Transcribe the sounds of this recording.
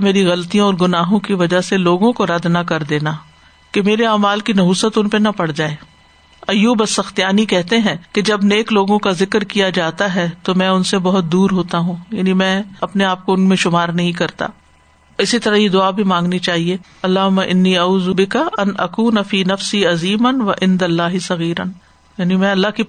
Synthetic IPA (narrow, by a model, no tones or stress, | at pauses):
meːɾiɣɐlt̪ijõɔːɾɡʊnaːɦõkiʋɐd͡ʒaɦseloːɡõkoɾɐd̪nɐkɐɾd̪eːnaː | kemeːɾeaːmaːlkinɐɦuːsət̪ʊnpenɐpɐɽ̤d͡ʒaːeː | ɐjuːbɐsːɐxt̪ijaːnikɛɦt̪eɦɛ̃ːked͡ʒɐbneːkloːɡõkazɪkɾkijad͡ʒaːt̪aɦɛt̪omɛ̃ːʊnsebɐɦʊt̪̚d̪uːɾɦoːt̪aɦũːjaːnimɛ̃ːɐpneaːp̚koʊnmẽʃʊmaːɾnɐɦĩk̬ɐɾt̪a̰ː | ɪsit̪ɐɾaɦjed̪ʊaːbʱimãːŋɡnit͡ʃaːɦieː | ɐlːaːɦʊmːaʔɪnːiːɐuːzubɪkaʔɐnʔɐkuːnɐfiːnɐfsiːɐziːmɐnʋɐʔɪ̃nd̪ɐlːaːɦɪsɐɣiːɾə̰n | jaːnimɛ̃ɐlːaɦki